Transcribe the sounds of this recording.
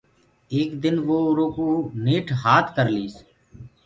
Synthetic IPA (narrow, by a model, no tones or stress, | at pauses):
eːkd̪ɪnʋoːɾoːkuːneːʈʰɦaːt̪ʰkəɾliːs